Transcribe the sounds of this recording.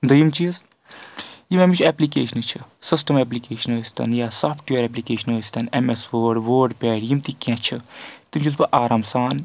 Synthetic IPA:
d̪əjimt͡ʃis | jimɛmit͡ʃʰɛplikḛːʃənɨt͡ʃʰɨsisʈɐmɛːp̬likeːʃɐnoːsʲt̪ɐ̰njasaːpʰʈjeɾɛp̬likeːʃənɦoːst̪ɐnemesʋoːɖʋoːɖpʲɛːɽjimt̪ikʲãt͡ʃʰɨt̪imt͡ʃis̬bɐʔaːɾaːmsaːn

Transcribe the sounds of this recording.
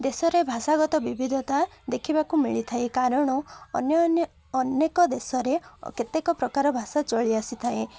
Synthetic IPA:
d̪esɔɾebʱasaɡɔt̪ɔbibʱid̪ʱɔt̪ad̪ekʰibakumiɭit̪ʰaekaɾɔɽ̃ɔnjː | nekɔd̪esɔɾḛket̪ekɔpɾɔkaɾɔbʱasat͡ʃɔɭiasit̪ʰae

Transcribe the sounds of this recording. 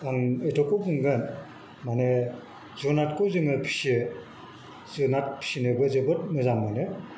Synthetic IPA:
aŋejtʰɔkukɯŋɡɯn | mane | zonatkuzɯŋɯpʰi̥si | zɯnat̚pʰi̥sinebɯzɯbɯt̚mɯzamːane

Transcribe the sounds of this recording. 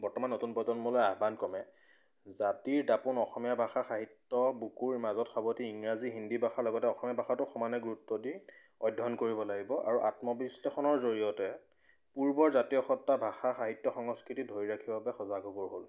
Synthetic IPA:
bɔɹtɔmanːotunpɔtɔnmɔlɔaɦbankɔmɛ | zatiɹdapunɔxɔmijabʱaxaxaɦitːɔbukuɹmazɔtxabotiiŋɹaziɦindibʱaxaɹlɔɡɔtɛɔxɔmijabʱaxatʊxɔmanɛɡuɹutːɔdi | ɔjdʱːɔnkoɹibɔlaɡibɔʔa̰ɹuʔatmɔbislexɔnɔɹzoɹijɔtɛ | puɹbɔɹzatijɔxɔtːabʱaxaxaɦitːɔxɔŋɔskɹitidʱoɹiɹakʰibabɛxɔzaɡɔbɔɹɦol

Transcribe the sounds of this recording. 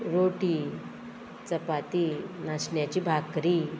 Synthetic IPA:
ɾoʈi | t͡səpat̪inasɳjat͡ɕiːbʱakɾi

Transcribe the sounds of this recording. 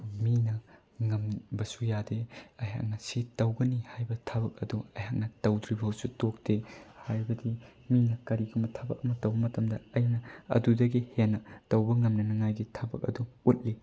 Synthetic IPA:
minɐ | ŋɐmbɐsujadeɐjɦa̰k̚nɐsitɐwɡɐnihajbɐtʰɐbɐk̚ɐ̰duɐjɦak̚nɐtɐwdɾibɐɦɐwsutok̚tehajbɐdiminɐkɐɾiɡumɐtʰɐbɐk̚ɐmɐtɐwbɐmɐtɐmdɐɐjnɐɐ̰dudɐɡihenːɐtɐwbɐŋɐmnɐnɐŋajɡitʰɐbɐ̰k̚ɐ̰duut̚li

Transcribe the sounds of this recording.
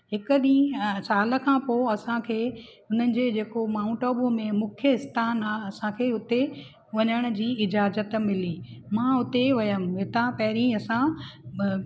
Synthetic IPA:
ɦɪkʊɗĩːsaːlə̆kʰãːpoːɐsãkʰeː | ʊn̤ənɪ̆d͡ʑeːd͡ʑeːkomaːʊ̃ɳʈoːbũmẽmʊkʰjəɪst̪ʰaːnaːɐsãkʰeːʊt̪e | ʋɐɲəɽ̃ʊ̆d͡ʑiːɪd͡ʑaːzət̪mɪliːmãʊt̪eʋɐjəmɦɪt̪ãpɐɦɪɾĩɐsã

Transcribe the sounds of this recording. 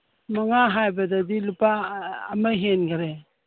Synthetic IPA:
maŋaɦajbadadilupa̰ːmajɦenɡaɾe

